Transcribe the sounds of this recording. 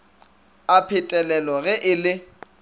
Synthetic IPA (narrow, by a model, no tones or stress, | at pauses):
apʰɪtʼɛlɛlɔɣɛʔɪlɪ